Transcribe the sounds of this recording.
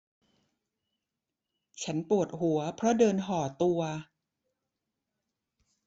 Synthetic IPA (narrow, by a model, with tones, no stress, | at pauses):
t͡ɕʰa˦˥npu˨˩ət̪̚ɦu˩˦ɐpʰɾɔ˦˥dɤː˧nɦɔː˨˩t̪u˧ɐ